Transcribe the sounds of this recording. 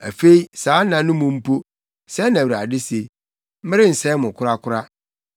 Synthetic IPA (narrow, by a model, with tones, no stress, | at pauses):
æ˨fe˦i˦saː˨˦nã˨nʊ̃˦mʊ̃˨m̩˦pʰo˦ | sɛ˦nã˨wa̰˨dɪ˦se˨ | m̩˦mɪ̃˦ɾɪ˦n̩˨sɛ˦mʊ̃˨kʰʊ˦ɾa˦kʰʊ˦ɾa˦